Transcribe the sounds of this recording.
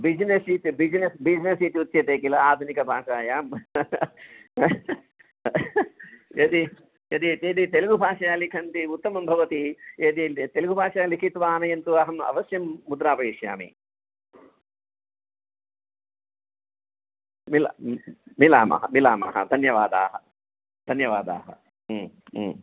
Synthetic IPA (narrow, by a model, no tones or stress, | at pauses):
bid͡ʒnesiːt̪ibid͡ʒnesbid͡ʒnesiːt̪iut̪ʃjɐt̪eːkilɐaːd̪ʱunikɐbʱaːʂaːjaːm | ɐd̪i | jɐd̪it̪eːd̪it̪elɐɡubʱaːʂɐjaːlikʰɐnt̪iut̪ːɐmɐmbʱɐʋɐt̪ieːd̪it̪elɐɡubʱaːʂɐjaːlikʰit̪ʋaːnɐjɐnt̪uɐɦɐmɐ̰ʋɐsjɐmːud̪ɾaːpɐiːʃja̰ːmḭ | mila̰mila̰ːmɐ̰ɦɐ̰mila̰ːmɐ̰ɦɐ̰d̪ʱɐnjɐʋaːd̪a̰ːɦɐ | d̪̥ʱɐnjɐʋaːd̪a̰ːɦɐ̰